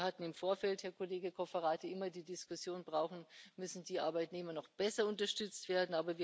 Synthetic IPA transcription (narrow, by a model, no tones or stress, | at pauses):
hatn̩ɪmfoːɐfɛlthɛːɐkʰoleːɡəkʰɔfəʁaːtiʔɪmɐdiːdɪskʊsjoːnbʁaʊxn̩mʏsn̩diːʔa̰ɐbaɪtneːmɐnɔχb̥ɛsɐʊntɐʃtʏt͡stv̥eːɐdn̩aːbɐviː